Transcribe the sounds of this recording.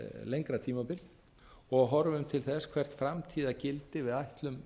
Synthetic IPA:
lejŋkɾat̪ʰiːmapɪl | ɔɣɦɔɾvɪʏmt̪ʰɪlθɛskʰv̥ɛr̥t̪fɾamt̪ʰiːðacɪlt̪ɪvɪðajht̪lʏm

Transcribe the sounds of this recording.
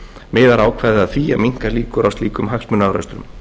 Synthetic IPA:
mɛːðaɾaːwkʰvɛðɪaðθviːamiŋ̥kaɾliːkʏɾawst̪liːkʏmɦaxsmʏnawɾœ̰st̪ɾʏ̰m

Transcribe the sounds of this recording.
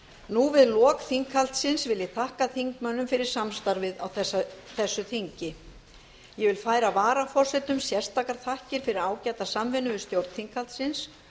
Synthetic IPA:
nuvɪðlɔːkθiŋkʰhal̥t̪sɪnsvɪljɪt̪ʰahkaθiŋkmœnːʏmfɪɾɪɾ̥samst̪aɾvɪðawθɛsaθɛsːʏθiɲcɪ | jɛvɪlfaːjɾavaːɾafɔr̥sɛt̪ʏmsjɛr̥st̪ʰaːkaɾ̥θahcɪɾ̥fɪɾɪɾaːwcat̪asamvɪnʏvɪst̪jowɾt̪θiŋkʰhalt̪sɪns

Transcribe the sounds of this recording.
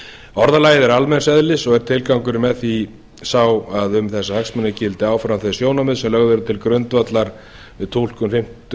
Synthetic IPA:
ɔɾðalaːjɪðɛɾalmɛnsɛðlɪsɔɣɛɾ̥t̪ʰɪlkawŋkʏɾɪmɛθi | sawaðʏmθɛsːahaksmanːɪcɪlt̪ɪaːwfɾawnθɛsjoːwnamʏðsɛmlœɣðʏɾʏt̪ʰɪlkɾœnt̪vat̪laɾ̥ | vɪðt̪ʰowl̥kʏmfɪm̥t̪

